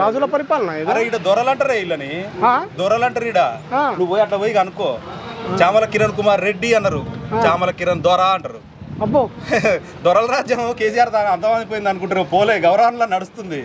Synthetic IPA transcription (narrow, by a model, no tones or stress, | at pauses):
ɾaːd͡ʒulɐpɐɾipaːlɐnɐed̪ɐɾeːiɽɐd̪ɔɾɐlɐɳʈɐɾeilːɐniɦaːd̪ɔɾɐlɐɳʈɐɾiːɽaanuʋːoːjɐʈlɐːʋoːjiɡɐnukːoːt͡ʃaːmɐlɐkiɾɐnkumaːɾːe̞ɖːiɐnːɐɾut͡ʃaːmɐlɐkiɾɐnd̪ɔɾaːɐɳʈɐɾu | ɐbo | d̪ɔɾɐlɐɾaːd͡ʒjɐmkeːs̬ijaːɾt̪aːnɐnt̪ɐmɐnd̪ip̬oːind̪ɐnukuɳʈuɾɐpoːleɡɐwɾɐʋɐnɐloːnɐɽust̪und̪i